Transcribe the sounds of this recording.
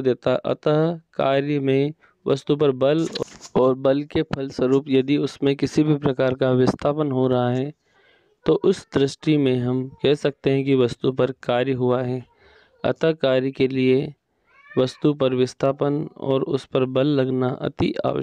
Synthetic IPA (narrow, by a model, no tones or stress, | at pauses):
d̪eːt̪aʔɐ̰t̪əɦkaːɾjmẽ | ʋʔɐ̰st̪up̬ɐɾbɐlɔːɾbɐlkepʰɐlswɐɾuːpjɐd̪iʊsmẽkɪsibʱipɾɐkaːɾkaʋɪst̪ʰaːpənɦoɾɐɦaɦɛː | t̪oʔʊsd̪ɾɪʃʈimẽɦɐmkɛɦsɐk̚t̪eɦɛ̃kiʋɐst̪upɐɾkaːɾjəɦʊaɦɛː | ɐ̰t̪əɦkaːɾikelie | ʋɐst̪upɐɾʋɪst̪ʰaːpənɔ̰ːɾʊ̰spɐɾbɐlːɐɡnaʔɐ̰t̪ia̰ːʋə̰